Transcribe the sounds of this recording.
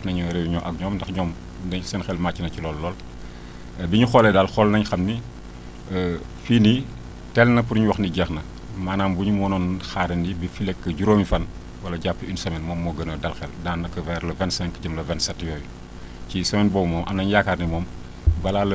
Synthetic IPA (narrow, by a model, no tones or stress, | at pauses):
nɐɲɔɾɛwuɲɔːʔɐk̚ɲɔːmndɐxɲɔːm | dɐɲsɛnxɛlmaːcːinɐcilɔlːɔːl | biɲuxɔlɛdɐlxɔlnɐɲxɐmni | fiːni | tɛlnɐpuɾɲuwɐxniɟɛxnɐ | maːnaːmbuɲumɔːnɔnxaːɾɐndibifilɛkːəɟuɾoːmifɐn | wɐlɐɟapːəinsɐmɛnmɔːmːɔɡɐnɐdɐlxɛldaːnːɐkːɐvɛɾlɐvɛntsɐmɛnkɐɟəmlɐvɛnsɐtːjɔːju | cisɐmɛnbɔːbumɔːmʔɐ̰mnɐɲjakarnimɔːm | bɐlaːlɐ